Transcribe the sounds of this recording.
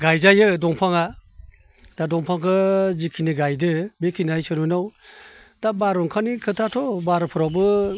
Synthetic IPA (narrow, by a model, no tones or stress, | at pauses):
ɡajzajɯdɔŋpʰaŋa | d̥adɔŋpʰaŋkʰɯzikʰiniɡajdɯbekʰinɯajsɯnɔnaw | d̥abaɾɔŋkʰanikʰɯtʰatʰɔbaɾɯpʰɔɾawbɯ